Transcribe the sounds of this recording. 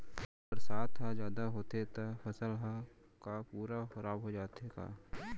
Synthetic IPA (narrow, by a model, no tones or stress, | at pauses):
bpəɾsaːt̪ɦad͡ʒjaːd̪aɦoːt̪et̪afɐsəlɦã | kapuːɾaxɐɾaːbɦod͡ʒaːt̪eka̰ː